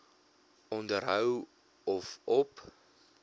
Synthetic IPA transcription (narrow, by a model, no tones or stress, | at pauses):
ɔndərɦəw | ɔfɔp